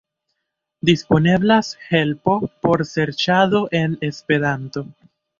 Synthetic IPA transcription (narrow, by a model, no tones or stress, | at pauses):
dispo̞ne̞blashe̞lpo̞po̞ɾse̞ɾt͡ʃaðo̞ʔe̞ne̞spe̞ɾanto̞